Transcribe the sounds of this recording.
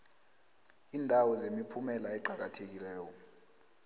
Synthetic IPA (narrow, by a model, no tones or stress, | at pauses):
iːndʱawɔzemipʰumɛlaɛǃʱak̬atʰek̬ilɛːjɔ